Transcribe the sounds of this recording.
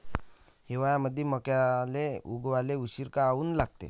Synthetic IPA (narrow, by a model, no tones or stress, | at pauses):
heʋajaməd̪ʱːeməkjaleuɡʋaleuɕiɾkaːuːnlaɡ̚t̪ḛ